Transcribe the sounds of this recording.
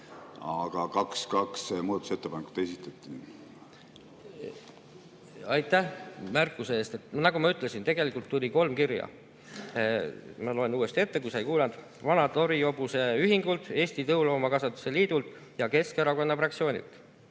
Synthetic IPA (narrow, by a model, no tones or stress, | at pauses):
ɑɡ̥ɑkɑkskɑksmuːd̪ɑt̪uset̪ːepɑneku̥t̪ːˑesit̪ːˑɑt̪ːˑin | ɑjt̪ːˑæhmærkːˑuseest̪e̞t̪ːˑnɑɡumɑyt̪ˑle̞sint̪e̞ɡe̞likˑult̪ːulʲiko̞lmkiɾjɑ̰ | mɑlo̞e̞nuːe̞st̪ie̞t̪ːe̞kujsɑjkuːlɑnd̪̥ | vɑnɑt̪o̞ɾio̞b̥use̞yɦiŋɡ̥ult̪ˑe̞ːsʲt̪it̪ɤwlo̞ːmɑkɑsɑt̪ːˑu̥seliːd̪̥ult̪ | jɑke̞skeɾɑko̞nːɑfrɑksio̞ːnʲḭlt̪ːˑ